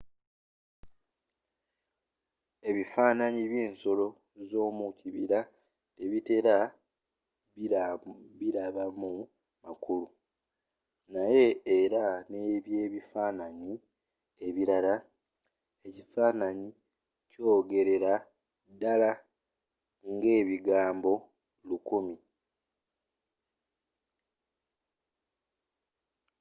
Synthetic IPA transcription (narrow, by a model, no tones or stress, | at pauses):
e̞βifaːnaɲiβje̞ːnso̞lo̞ | zo̞ːmuciβiɾa | te̞βite̞ɾa | βiɾaβamu | makulu | naje̞ːɾane̞ːβje̞ːβifaːnaɲi | e̞βiɾala | e̞cifaːnaɲi | co̞ːɡe̞ɾe̞ɾa | dala | ŋɡe̞ːβiɡaːmbo̞ | lukumi